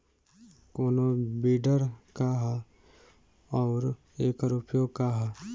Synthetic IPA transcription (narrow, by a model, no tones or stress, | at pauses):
koːnobiːɖəɾkaɦ | ɔːɾ | eːkəɾupjoɡkaɦa